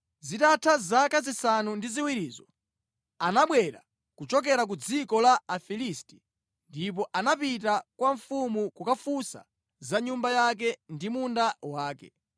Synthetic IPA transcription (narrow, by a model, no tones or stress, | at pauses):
zitatʰazakazisanundiziwiɾiːzɔ | anaɓwɛɾa̰ | kut͡ʃɔk̬ɛɾak̬ud͡zikɔlaafilisti̥ | ndip̬ɔʔanapitakwaɱfumukukafusa̰ | zaɲumbajak̬ɛndimundawaːkɛ̰